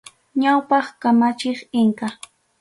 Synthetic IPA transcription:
ɲawpɑχkamat͡ʃɪχɪŋka

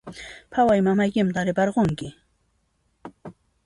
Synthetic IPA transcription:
pʰawajmamajkɪmt̪aɾɪpɑɾɢoŋkɪ

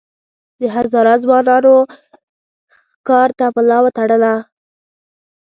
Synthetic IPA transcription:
d̪əɦazɑɾat̪zwɑnɑno | kɑɾt̪apəlɑwat̪aɽəla

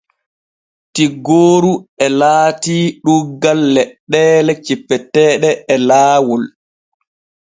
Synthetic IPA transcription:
tiɡoːɾuɛlaːtiːɗuɡalːɛɗːɛːlɛt͡ʃipːɛtɛːɗɛɛlaːwɔl

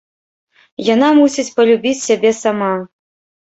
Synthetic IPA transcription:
janamusʲit͡sʲpɐlʲubʲit͡sʲsʲabʲɛsama

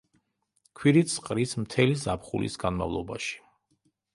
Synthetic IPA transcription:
kʰwiɾit̪sqʼɾismt̪ʰɛlizapχṵlḭsɡanma̰vlˠɔba̰ʃi̥

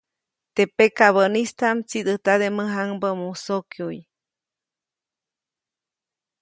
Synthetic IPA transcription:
t̪epekaβənist̪amt͡sid̪ɨht̪ad̪eməɦaŋbəmusokjuj

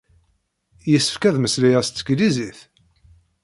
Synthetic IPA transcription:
jəsːə̥fkæðməslijæst̪t͡sːə̥kliziθ

